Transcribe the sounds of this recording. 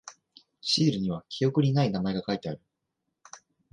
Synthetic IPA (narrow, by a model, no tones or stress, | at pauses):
ɕiːɾɯ̟ɲ̟iβ̞akʲʰijo̞kɯ̟ɲ̟inainamae̞ɡakait̪e̞aɾɯ̟